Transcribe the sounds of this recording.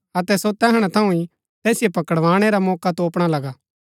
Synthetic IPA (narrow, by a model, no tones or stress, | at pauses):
ɐt̪ɛsot̪ɛːɦɽ̃at̪ʰɐũi | t̪ɛːsɪjepɐkəɽʋãːɽ̃eɾamɔːkat̪oːpɽ̃alɐɡa